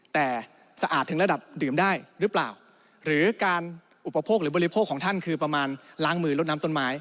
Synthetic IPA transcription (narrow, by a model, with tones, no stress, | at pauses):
t̪ɛː˨˩ | sa˧ʔaː˨˩t̪ʰːɯ˩˦ŋɾa˧da˨˩p̚dɯː˨˩mdaː˥˩jɾɯː˦˥pla̰ː˨˩w | ɾɯː˩˦kaː˧n | ʔu˨˩pːa˧pʰoː˥˩k̚ɾɯː˩˦bɔː˧ɾi˦˥pʰoː˥˩kʰːɔː˩˦ŋt̪ʰa˥˩nkʰɯː˧pɾa˧maː˧nlaː˦˥ŋmɯː˧lo˦˥t̪̚naː˦˥mt̪o˥˩nmaː˦˥j